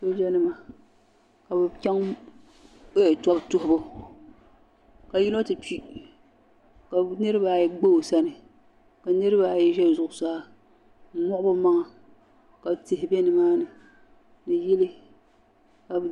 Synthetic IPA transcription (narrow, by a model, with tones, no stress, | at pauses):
so˦d͡ʒɛ˦nɨ˦ma˨ | ka˨bɛ˨kʲɛ˦ŋ | e˦˨tɔ˦btʊ˦hʊ˦bʊ˦ | ka˨ji˦no˦tɨ˨pi˦ | ka˨nɨ˦ɾɨ˦ba˨jɛ˦ɡ͡bo˦˨sa˦nɨ˨ | ka˨nɨ˦ɾɨ˦ba˨jɛ˦ʒɛ˦bzʊ˨ʔʊ˨saː˦ | mɔ˦ʔʊ˦bʊ˦ma˦ŋa˨ | ka˨btɪ˨hɪ˨bɛ˦nɨ˨maː˦nɨ˨ | nɨ˨jɪ˦lɨ˦ | ka˨b